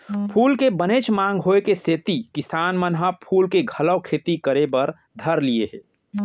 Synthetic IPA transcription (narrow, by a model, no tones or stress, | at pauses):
pʰuːlkebənet͡ʃmãːŋɡɦoekeseːt̪ikɪsaːnmənɦəpʰuːlkeɡʱɐləwkʰeːt̪ikəɾebəɾ | d̪ʱəɾlieɦɛː